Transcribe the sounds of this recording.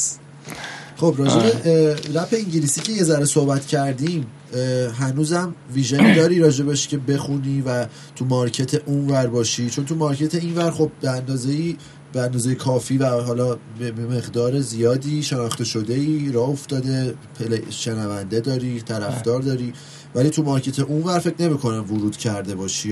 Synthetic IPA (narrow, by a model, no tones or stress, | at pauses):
χo̞bɾɒːd͡ʒebeɾæfe̞iɲɟilisiːcʰe̞je̞zæɾeso̞hbæt̪cʰæɾd̪im | ɦænuːzæmviːʒenid̪ɒːɾiɾɒːd͡ʒe̞beʃcʰe̞be̞xuniːvæ | t̪ʰumɒɾcʰe̞t̪ʰe̞ʔunvæɾbɒːʃit͡ʃʰo̞nt̪ʰumɒɾcʰe̞t̪ʰe̞invæɾχo̞b̚beænd̪ɒːze̞iː | beænd̪ɒːzejekʰɒːfiːvæɦɒːlɒːbeeme̞ɣd̪ɒːɾezijɒːd̪iːʃe̞nɒːχt̪e̞ʃo̞d̪e̞iːɾɒːoft̪ɒːd̪e̞pʰeleʃe̞nævænd̪e̞d̪ɒːɾiːt̪ʰæɾæfd̪ɒːɾd̪ɒːɾiː | væliːt̪ʰumɒɾcʰe̞t̪ʰe̞ʔunvæɾfe̞cʰne̞miːkʰo̞næmvoɾuːd̪̥cʰæɾd̪e̞bɒːʃi